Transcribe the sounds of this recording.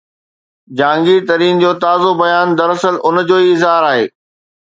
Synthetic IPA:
d͡ʑãːŋɡit̪ɐɾiːnd͡ʑoːt̪aːzobɐjaːnd̪ɐɾɐsəlʔʊnd͡ʑoːiɪzɦaːɾaːɦeː

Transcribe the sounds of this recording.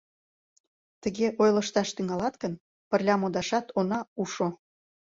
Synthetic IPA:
t̪əɣeʔojləʃt̪ɑʃt̪yŋɑlɑt̪kən | pərlʲɑmod̪ɑʃɑt̪onɑuʃo

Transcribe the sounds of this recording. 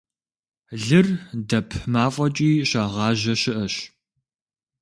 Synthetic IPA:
ɮɨrdɐpʰmaːfʼɐt͡ʃʼiːɕɐʁɑːʑɐɕɪʔɐɕ

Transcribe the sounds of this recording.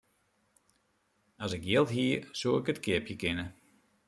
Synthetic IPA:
ɔsɪkjɪlˠtɦiəsuəɪkətkʰɪəpjəkɪnə

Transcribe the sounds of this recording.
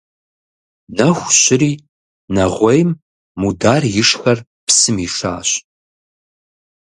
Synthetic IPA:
nɐxʷɕɪɾiː | nɐʁʷɔjmː | udaːrjɪʂxɐr | psɨmiːʂa̰ːɕ

